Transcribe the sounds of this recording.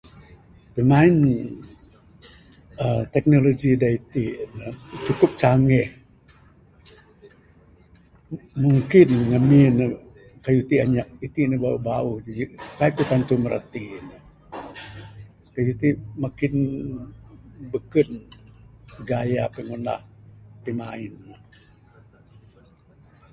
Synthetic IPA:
pəmain | ət̪ɛk̚nolod͡ʒidait̪inət͡ʃukʊp̚t͡ʃaŋɛh | muŋkɪnŋəminə | kajut̪iaɲaʔit̪inəbaubauhad͡ʒikaikut̪ant̪uməɾə̰t̪inə | kajut̪imakɪn | bəkən | əɡajapiŋuna̰hpimaɪnːə

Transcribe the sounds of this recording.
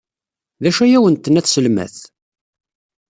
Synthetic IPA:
ðæʃæjæwənt̪ːənæθsəlmæ̰θ

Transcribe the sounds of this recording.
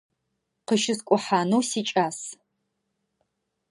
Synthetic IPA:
qəʃɪskʷʼʊħaːnuwsiːt͡ʃʼaːs

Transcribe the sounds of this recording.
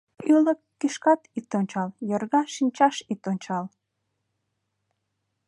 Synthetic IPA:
yləkːiʃkɑt̪it̪onʲt͡ɕɑljərɣɑʃinʲt͡ɕɑʃit̪onʲt͡ɕɑl

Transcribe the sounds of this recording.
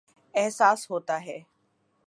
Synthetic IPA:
ɛɦsaːsɦoːt̪aːɦɛː

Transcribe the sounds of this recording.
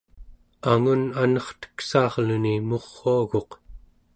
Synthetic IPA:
aŋunanʌχt̪ə̥ksɑːʁlunimo̞ʁːoaɣo̞q

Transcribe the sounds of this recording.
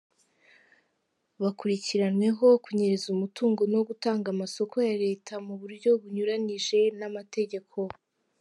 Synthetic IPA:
βakuɾiciɾanwe̞ɦo̞kuɲeɾezumutuːŋɡo̞no̞ɡutaːŋɡamaso̞kʰo̞jaɾe̞ːtʰamuβuɾɟo̞βuɲuɾaniʒe̞namate̞ɟe̞kʰo̞

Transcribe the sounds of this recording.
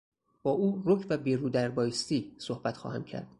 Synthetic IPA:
b̥ɒːʔuːɾocʰvæbiːɾuːd̪æɾbɒːjist̪iːsohb̥æt̪χxɒ̰ːhæmcʰæ̰ɾd̪̥

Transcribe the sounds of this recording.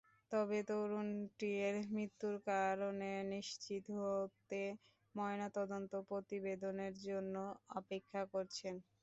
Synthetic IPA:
t̪ɔbet̪oɾunʈieɾmɾit̪ːuɾkaɾoneniʃt͡ɕit̪ɦoot̪e | mɔenat̪ɔd̪ont̪opɾot̪ibed̪oneɾd͡ʑonːoɔpekʰːakoɾt͡ɕʰen

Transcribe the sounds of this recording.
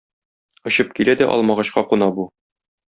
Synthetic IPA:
ŏɕɤp̚kilæd̪æʔɒ̰lˠmɑʁɑɕqɑqunɑbu

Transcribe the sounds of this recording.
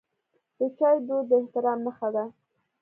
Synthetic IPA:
d̪̥ət͡ʃɑjd̪od̪ːəɪht̪ɪɾɑmːəxad̪a

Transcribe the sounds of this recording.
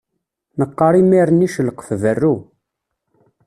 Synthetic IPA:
nəqːɑɾimiɾniʃəlqə̥fvərːu

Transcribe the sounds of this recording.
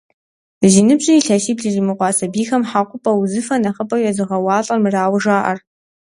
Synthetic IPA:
ʒinɨbɕʼɪiɬɐʃiːbɮɨrimɨqʷɑːsɐbiːxɐmħaːqʷʊpʼɐwzɨfɐnɐχəpʼɐwjɛzɨʁɐwɑːɬʼɐrmɨraːwʒaːʔɐ̰r

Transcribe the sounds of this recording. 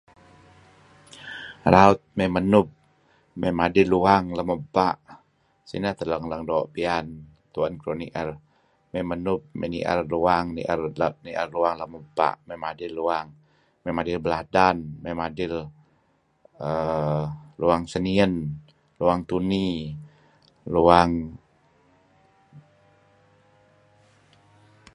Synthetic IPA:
ɾaʊt̪̚mɛmənʊp̚ | memadɪlːuaŋləməbaʔ | sḭnəht̪ələŋləŋdoʔpian | t̪uənkɾoniʔər | memənʊp̚mɛ̰nḭʔə̰rluaŋnḭʔərniʔərluaŋləməba̰ʔmɛmadɪlːuaŋ | memadɪlbəladanmɛmadɪl | ə | luaŋsəniən | luaŋt̪uni | luaŋ

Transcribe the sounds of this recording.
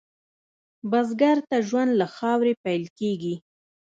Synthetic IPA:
bazɡaɾt̪aʒwand̪laxɑwɾepajlkeɡi

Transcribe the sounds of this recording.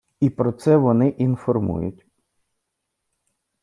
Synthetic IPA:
ipɾɔt̪sɛʋɔnɪʔinfɔrmṵjʊ̰tʲ

